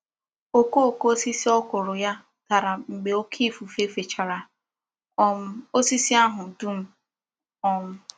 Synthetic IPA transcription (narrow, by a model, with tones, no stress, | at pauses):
o˦ko˦o˨ko˦o˦si˦si˦ɔ˦kʊ˨ɾʊ˨ja˦ | ta˨ɾa˨ŋ͡m̩˨ɡ͡be˨o˦kʰi˦fu˨fe˦fe˨t͡ʃa˨ɾa˨ | ɔ˦o˦si˦si˦a˦ɦʊ˨du˦m̩˦ | ɔ˦m̩˦